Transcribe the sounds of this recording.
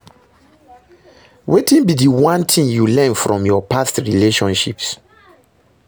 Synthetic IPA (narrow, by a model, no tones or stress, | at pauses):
wetĩnbidiwãntʰĩŋjulɛ̃nfɹɔ̃mjɔpʰastɹileʃɔ̃nʃḭps